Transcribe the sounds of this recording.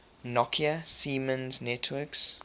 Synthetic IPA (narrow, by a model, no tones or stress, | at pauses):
nɔkʰiəsiːmə̃nznɛtʰwəks